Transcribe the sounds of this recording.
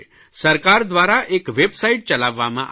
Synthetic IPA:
səɾkaːɾd̪ʋaːɾaʔeːkʋebsaiʈ̚t͡ʃɐlaːʋːamãʔ

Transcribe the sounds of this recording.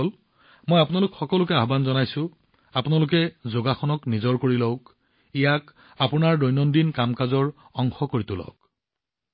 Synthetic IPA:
ɔl | mojapʊnalʊkxɔkɔlʊkɛaɦbanzɔnajsʊ | apʊnalʊk̬ɛzoɡaxɔnɔknizɔɹkoɹilɔwk | ijak | apʊnaɹdɔjnɔndinkamkazɔɹ | ɔŋxɔkoɹitʊlɔ̰wk̚

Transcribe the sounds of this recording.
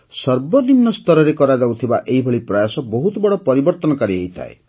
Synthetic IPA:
sʌɾbɔnimnɔst̪ɔɾɔɾekɔɾad͡ʒawt̪ʰiba̰ʔeɦibʱɔɭipɾɔjasɔbɔɦut̪bɔɽɔpɔɾibɔɾt̪ɔnɔkaɾiejt̪ʰa̰ḛ

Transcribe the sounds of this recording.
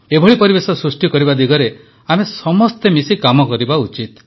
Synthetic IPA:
ebʱɔɭipɔɾibesɔsɾusʈikɔɾibad̪iɡɔɾe | amesɔmɔst̪emisikamɔkɔɾibaut͡ʃit̪

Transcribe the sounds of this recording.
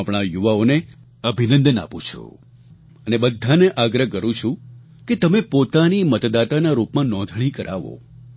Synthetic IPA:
apɳ̃ajuʋaone | əbʱinə̃nd̪əna̰pũt͡ʃʰo̰ | ənebəd̪ʱːaneʔaɡɾəɦkəɾũt͡ʃʰũ | ket̪əmepot̪animət̪d̪at̪anaɾupmãnɔ̃nd̪ʱɭ̃ikəɾʔaʋo̰

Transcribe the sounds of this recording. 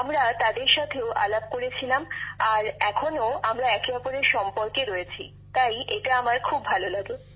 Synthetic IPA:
amɾat̪ad̪eɾʃat̪ʰeoʔa̰lab̚koɾet͡ɕʰilamaɾɛkʰonoamɾaɛkeɔpoɾeɾʃɔmpoɾkeɾɔjet͡ɕʰi | t̪ajʔeʈaamaɾkʰubʱalolaɡe

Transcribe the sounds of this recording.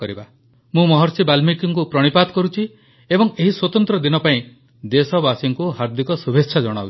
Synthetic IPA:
ɔɾiba | mũmɔɦɔɾsibalmikiŋkupɾɔɽ̃ipat̪ɔkɔɾut͡ʃʰi | ebɔŋeɦiswɔt̪ɔnt̪ɾɔd̪inɔpaĩ | d̪esɔbasiŋkuɦaɾd̪ʱikɔsubʱeʃʰad͡ʒɔɽ̃a̰ṵ

